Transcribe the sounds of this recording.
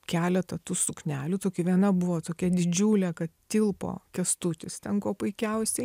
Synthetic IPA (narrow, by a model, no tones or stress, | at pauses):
kʲæːlʲɛt̪ɐt̪ʊsʊknʲæːlʲʊt̪oːkʲɪʋʲiɛnɐbʊʋoːt̪oːkʲɛd̪ʲɪd͡ʒʲuːlʲɛkɐt̪t̪ʲɪlˠpo̰ːkʲɛst̪ut̪ʲɪst̪ʲɛŋkoːpʊɪkʲɛʊsʲɛɪ